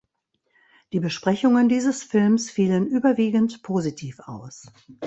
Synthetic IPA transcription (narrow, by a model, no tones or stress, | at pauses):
d̥iːbəʃpʁ̥ɛçʊŋəndiːzəsfɪlmsfiːlənʔyːbɐviːɡn̩tpʰoːzitʰiːfa̰ʊs